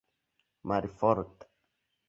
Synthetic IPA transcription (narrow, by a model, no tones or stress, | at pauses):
maɾifɔɾt̪